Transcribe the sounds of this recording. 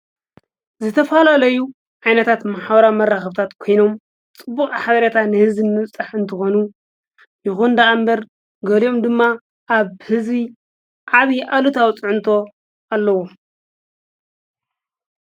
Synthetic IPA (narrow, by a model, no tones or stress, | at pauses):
zɨt̪ʰɐfalalɐju | ʕajnɐt̪ʰat̪maħwɐɾamɐrːaxɐβt̪ʰat̪kʰojno̞m | t͡sʼɨbːukʼaħaβɐɾet̪ʰanɨhɨzinːɨβt͡sʼːaħɨnt̪ʰɨxonu | jɪxund̪aːmbɐɾ | ɡɐlio̞md̪ɨmːa | ʔːβhɨzβi | ʕaβiʔalut̪ʰawt͡sʼɨʕʊnt̪ʰo̞ | ʔalːɐwo